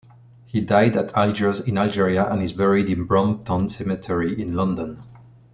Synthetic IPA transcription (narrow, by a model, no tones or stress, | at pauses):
hidajdatʰald͡ʒə˞zɪ̃nald͡ʒɛɹiaʔə̰̃nɪzbɛɹidɪ̃nbɹɔ̃nt̪ʰɔ̃nsɛmɨtʰɛɹiʔɪ̃nlʌ̃ndə̃n